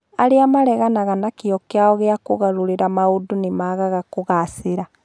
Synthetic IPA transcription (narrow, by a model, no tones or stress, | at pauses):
aɾeamaɾɛɣanaɣanakiɔkeaɔɣeakuɣaɾuɾiɾamaudunimaɣaɣakoɣasiɾa